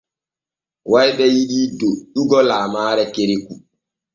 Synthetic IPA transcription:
wajɓɛjiɗiːdoɗuɡɔlaːmaːɾɛkeɾiku

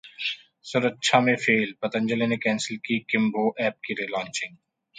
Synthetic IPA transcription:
sʊɾətːʃʰamẽfʰeːlpɐt̪ə̃ɲd͡ʒəlenekɛ̃ːnsəlkikɪmboːʔɛːp̚kiɾilãːɲt͡ʃɪ̃ŋɡ

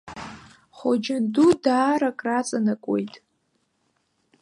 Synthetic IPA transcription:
χod͡ʒandudaːɾakʼrat͡sʼanakʷʼejtʼ

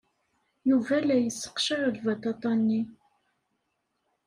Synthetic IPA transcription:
juvælæjəsːə̥qʃəɾəlvɑt̪ɑt̪ˤɑnːi

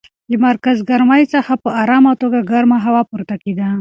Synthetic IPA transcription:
d̪əmaɾkazɡaɾmajt͡səxapəɑɾɑmat̪oɡaɡaɾmaɦawɑpuɾt̪aked̪a

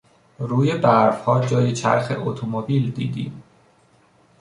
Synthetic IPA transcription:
ɾuːje̞bæɾfhɒːd͡ʒɒːjet͡ʃʰæ̰ɾxḛʔot̪ʰomobiːld̪ḭːd̪ḭːm

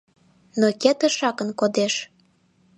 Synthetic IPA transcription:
noket̪ə̆ʃɑkənkod̪eʃ

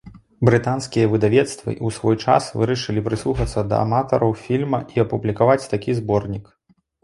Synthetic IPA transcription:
bɾɨt̪anskʲijɐvɨd̪avʲɛt̪st̪vɨ̰ʔusvɔjt͡ʂa̰svɨɾɐʂɨlʲipɾɨslˠuxɐt̪sːɐd̪ɐ̰a̰mat̪ɔɾɐwfʲilʲmɐʔiɐpublʲikavat͡sʲt̪akʲizbɔrnʲik

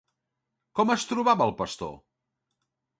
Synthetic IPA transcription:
kɔməst̪ɾuβaβəːlˠpəst̪o̰

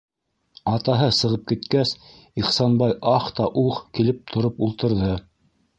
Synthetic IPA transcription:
ɑt̪ɑɦɤsɤ̆ʁɤp̚kit̪kæs | iχsɑnbɑjʔɑχt̪ɑʔuqkilɘp̚t̪ʰŏɾɤpulˠt̪ɤ̆ɾðɤ

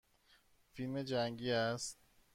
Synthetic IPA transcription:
filme̞d͡ʒæŋɡiːæst̪̚

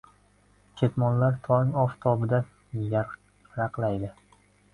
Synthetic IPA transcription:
kʲʰet̪mɒnlaɾt̪ʰɒŋɒft̪ʰɒbɪd̪a | ja | ɾaqlajd̪ɪ

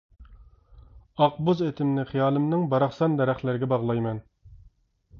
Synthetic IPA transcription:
ɑq̚bʊzet̪ʰɪmnɪχijɑːlˠɪmnɪŋbɑɾɑχsɑnd̪ɛɾæχlɪɾɪɡʲɛbɑʁlˠɑjmɛn

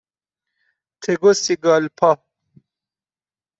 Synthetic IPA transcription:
t̪ʰeɡosiɡaːlpʰa

